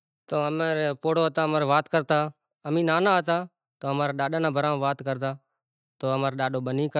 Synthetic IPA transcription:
t̪oːəmeɾpoːɽoːt̪aːmaːɾːʋaːt̪kəɾt̪aː | əmĩːnaːnãːɦət̪aː | t̪oːəmaːɾaːɗaːɗãːnãːbʱəɾãːʋaːt̪kəɾt̪aː | t̪oːəmaːɾɗaːɗoːɓəniːkə

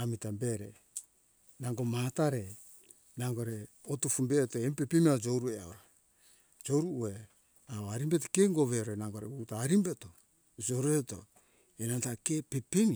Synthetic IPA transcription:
amitambe̞ɾe̞̰ | naŋɡo̞mataɾe̞ | naŋɡoɾe | otufumbe̞ːtoempe̞pemiaod͡ʒo̞wɾuea̰oɾa | d͡ʒo̞wɾuʔue | aoaɾimbe̞tokeŋɡo̞βe̞ɾonaŋɡo̞ɾeutaːɾimbe̞to̞ | d͡ʒo̞ɾueto̞̰ | enantake̞pe̞pemi

